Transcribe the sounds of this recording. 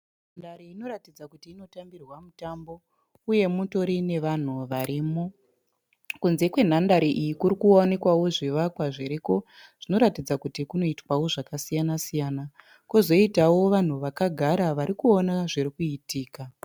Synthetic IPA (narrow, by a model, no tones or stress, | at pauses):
n | andaɾiino̞ɾatid͡zakutiːno̞tambirwamutambo̞ | uje̞muto̞ɾine̞ʋan̤uʋaɾiːmo | kunze̞kwe̞n̤andaɾiʔijikuɾikuone̞kwawo̞ʐiʋakwaʐiɾiko̞ | ʐ̥ino̞ɾatid͡zakutikuno̞itwawo̞ʐakasijanasijaːna | kuzo̞itawo̞ʋan̤uʋakaɡʱaɾaʋaɾikuo̞naʐirikuitiːka